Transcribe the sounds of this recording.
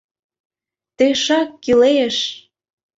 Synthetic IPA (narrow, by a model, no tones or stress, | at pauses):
t̪eʃɑkːileʃ